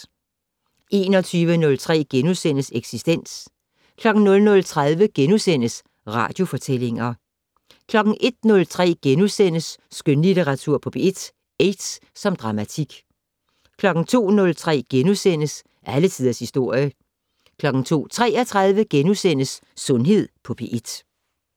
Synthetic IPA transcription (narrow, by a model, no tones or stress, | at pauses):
e̝ːnɒ̽t͡sʰyːʋənɔ̽lt͡sʰʁɛ̰ːɡ̥enusenəseɡ̥sisd̥en̰s | kʰlɒ̽ɡ̥n̩nɔ̽lnɔ̽lt͡sʰʁað̞ˠʋəɡ̥enusen̰əs | ʁɑ̰̈d̥jo̝fɒ̽t͡sʰel̰e̝ŋɐ | kʰlɒ̽ɡ̥n̩ʔe̝d̥̚nɔ̽lt͡sʰʁɛ̰ːɡ̥enusen̰əsːɡ̥ønlidʰeʁɑ̈t͡sʰuɐ̰pʰɒ̽b̥e̝d̥ | ed̥s | sɒ̽md̥ʁɑ̈mæt͡sʰiɡ̥ | kʰlɒ̽ɡ̥n̩t͡sʰo̝̰ːnɔ̽lt͡sʰʁɛ̰ːɡ̥enusen̰əs | ʔælət͡sʰiðˠɐshisd̥o̝ɐ̰jə | kʰlɒ̽ɡ̥n̩t͡sʰo̝̰ːt͡sʰʁɛ̰ːɐt͡sʰʁað̞ˠʋəɡ̥enusen̰əsːɔ̽nɦe̝ð̞̰ˠpʰɒ̽b̥ʰeʔed̥